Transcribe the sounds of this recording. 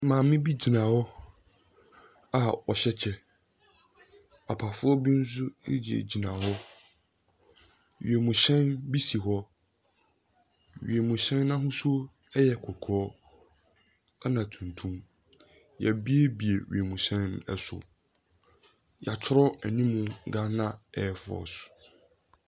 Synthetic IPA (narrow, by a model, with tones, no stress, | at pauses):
mãː˨mɪ̃˦bi˦d͡ʑi˨nã˨hɔ˦ | a˨ɔ˨ɕɛ˦t͡ɕʰɛ˦ | a˨pʰa˨fʊ˦ɔ˦bi˦n̩˦s̬ʊ˦e˦d͡ʑi˨ḛ˨d͡ʑi˨nã˨ɦɔ˦ | ɥḭ˨e˨mũ˨ɕɛ̃˦nbi˦si˨ɦɔ˦ | ɥḭ˨e˨mũ˨ɕɛ̃˦nːã˦ɦʊ̃˦sʊ˦ | ɛ˦jɛ˨kʰɔ˨kʰɔ˦ɔ˦ | a˦nã˨tʰũ˨ntʰũ˦m | jɛ̰˨bi˦e˦bi˨e˨ɥḭ˨e˨mũ˨ɕɛ̃˦nnʊ̰̃˦ɛ˦sʊ̰˨ | ja˨t͡ɕʰʊ˦ɾɔ˦æ˨nĩ˦mũ˨˦ɡa˦nã˦ɛ˨fʊ˦ɔ̰˨sʊ̥˨